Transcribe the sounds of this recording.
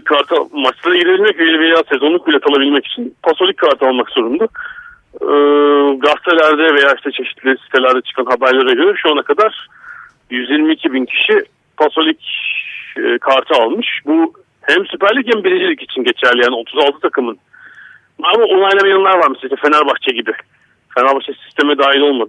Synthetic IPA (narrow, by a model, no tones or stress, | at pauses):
kʰaɾt̪ʰmat͡ʃt̪ˠad̪aɟiɾebilʲmɛcvelʲivejaːse̞zonˠuk̚bilʲɛk̪ʰalˠabilʲmɛci̥t͡ʃʰinpʰasolʲickʰːaɾt̪ʰɯalˠmakz̥o̞ɾund̪a | ɡast̪ʰelʲæɾd̪ɛve̞jaːiʃt̪ʰɛt͡ʃʰe̞ʃi̥t̪ʰlʲisi̥t̪ʰe̞lʲæɾd̪ɛt͡ʃʰɯ̥kʰanɦabæɾlʲˠaɾaɟøɾɛʃuanakʰad̪aɾ̥ | jyzjiɾmiːcʰibincʰi̥ʃi | pʰaso̞lʲicː | kʰaɾt̪ʰɯalˠmɯʃbu | hæmsypæɾlʲic̬ɛmbiɾʲed͡ʒelʲicit͡ʃʰinɟe̞t͡ʃʰæɾlʲijaːnio̞t̪ʰuzalˠt̪ʰɯt̪ʰakʰɯmɯn | aamaʔonˠajlʲˠamajanɯnˠaɾvaɾmɛseleʃt̪ɛfenæɾbaxt͡ʃʰɛɟibɪ | fe̞næɾbaxt͡ʃʰasi̥st̪ʰe̞mɛd̪aːɦilʲo̞lˠmad̪ɯ